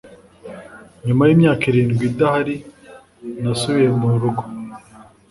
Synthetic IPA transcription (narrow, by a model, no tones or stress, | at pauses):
ɲumajiːmɲaːkiɾiːnɡwidahaɾi | nasuβiɾemuɾuɡo̥